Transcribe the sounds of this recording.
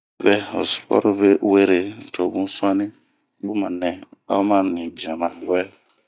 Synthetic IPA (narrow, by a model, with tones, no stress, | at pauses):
bɛ˦o̰˨spɔ̰˦ɾu˦be˦we˦ɾe˨tʰo˨bũ˦su˦ã˦nĩ˦ | bu˦mã˨nɛ̃˨a̰˦mã˦nĩ˨bĩ˨ã˨ma˨wɛ˦